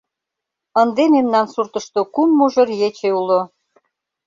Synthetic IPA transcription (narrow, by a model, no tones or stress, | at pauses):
ənd̪ememnɑnsurt̪əʃt̪okumːuʒə̆rjet͡ɕeulo